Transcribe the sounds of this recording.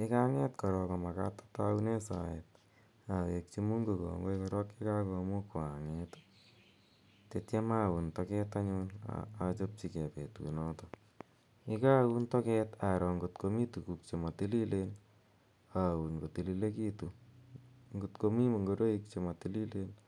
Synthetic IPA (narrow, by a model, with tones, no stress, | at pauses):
ɪ˦ka˦ŋɛ˦tkɔ˨ɾɔkɔma˨ka̰tḁtaune˦sa̰ɛt̚ | a˨we˨k̚t͡ʃi˦mu˦ŋɡo˨kɔ̰˨ŋɡo˦ikɔɾɔkɪ˦kako˧mu˦kʊ˨aŋɛt | tetje˦ma˦wu˨ntɔkɛ˦taɲʊna̰at͡ʃo˦p̚t͡ʃi˨ke˨pe˨tṵnɔtɔ | ɪ˦ka˦wu˦ntɔ˦kɛtaɾɔ˨ŋɡotkomi˦tu˨ku˨k̚t͡ʃe˨ma˨ti˦li˦len | au˨nko˨ti˨lile˦kitu | ŋɡutkomi˦mo˨ŋɡo˧ɾo˦ik̚t͡ʃema˨tili˦len